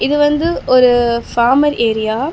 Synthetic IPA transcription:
ɪðɯʋɐnd̪ɯɔɾɯfaːmɐɾeːɾɪjaː

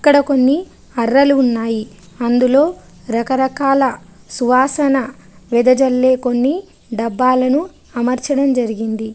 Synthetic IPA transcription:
ɐkːɐɽɐko̞nːi | ɐrːɐluːnːaːji | ɐnd̪ulo̞ː | ɾɐkɐɾɐkaːlɐ | suʋaːsɐnɐ | ʋɛd̪ɐd͡ʒɐlːeːko̞nːi | ɖɐbːaːlɐnu | ɐmɐɾt͡ʃɐɽɐmd͡ʒɐɾiɡind̪i

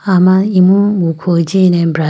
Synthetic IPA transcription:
amaimuɡukʷʰod͡ʒinem̩bɾa

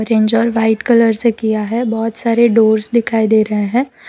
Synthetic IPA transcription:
ɾẽːɲd͡ʒɔːɾʋaːɪʈkɐləɾsekijaɦɛbɔːt̪saːɾeɖoːɾsd̪ɪkʰaːid̪eːɾɐɦeɦɛ̃ː

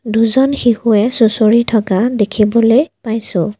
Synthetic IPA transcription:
duzɔnxixuɛsusoɹitʰɔkadekʰibɔlojpajsʊ̰̃

